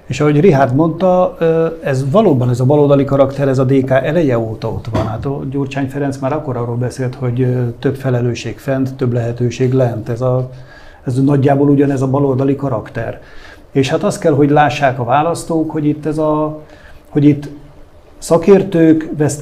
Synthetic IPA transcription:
eːʃɒɦo̞ɟriɦaːrd̪mo̞nt̪ɒ | ɛzvɒloːbɒnɛzɒbɒlold̪ɒlikɒɾɒkt̪ɛɾɛzɒd̪eːkaːʔɛlɛjɛoːt̪ɒot̪ʋɒnhaːt̪ɒɟoːrt͡ʃaːɲfɛɾɛnsmaːɾɒkːo̞ɾɒroːlbɛseːlt̪ho̞ɟt̪øpfɛlɛløːʃeːkfɛndt̪ːøblɛɦɛt̪øːʃeːɡlɛnt̪ɛzɒ | ɛznɒɟːaːboluɟɒnɛzɒbɒlo̞ld̪ɒlikɒɾɒkt̪ɛ̰r | eːʃhat̪ɒst̪̚kɛlɦo̞ɟlaːʃːaːkɒvaːlɒst̪oːkho̞ɟit̪ːɛzɒ | ho̞ɟit̪ː | sɒkeːrt̪øːkvɛs

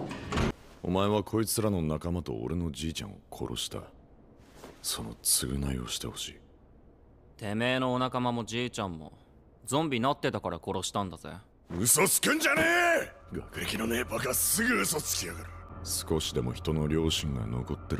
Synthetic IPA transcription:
o̞̰maeβakʰo̞it͡sɨɾano̞nakamat̪o̞̰o̰ɾe̞no̞d͡ʑiːt͡ɕã̰ɰ̃o̰kʰo̞̰ɾʔo̞̰ɕi̥t̪a̰ | so̞no̞̰t͡sɨɡɯ̟naio̞̰ɕi̥t̪e̞ho̞ɕiː | t̪e̞me̞ːno̞ːnakamamo̞d͡ʑiːt͡ɕãmːo̞̰ | d͡zõ̞mbʲinat̪ːe̞t̪akaɾako̞ɾo̞ɕi̥t̪ãnd̪az̥ḛ | ɯso̞sɨ̥kɯ̟̃ɲ̟d͡ʑaneːɡakɯ̟ɾekʲino̞neːpaɡasɨɡɯːsot͡sɨ̥kʲiaɡaɾɯ̟sɨ̥ko̞ɕid̪e̞mo̞çi̥t̪o̞no̞ɾʲo̞ːɕĩŋɡa̰no̞̰ko̞t̪ːe̞ɾ

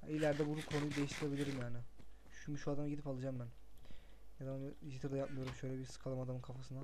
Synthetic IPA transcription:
ha̰ilʲːæɾd̪ɛbunukʰo̞nujud̪e̞jiʃt̪ʰiɾebilʲiɾimjaːnɪ | ʃumuʃuad̪amɟid̪ipalˠad͡ʒambæn | nɛd̪amanʒit̪ɯɾd̪ajapmɯjo̞ɾumʃø̞jlʲɛbisɯ̥kʰalˠamad̪amɯnkʰafasɯna

